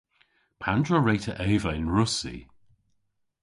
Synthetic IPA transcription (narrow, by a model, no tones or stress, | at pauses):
pʰandɹəɹeɪtʰəʔɛːvəɪ̃nɹʊsḭ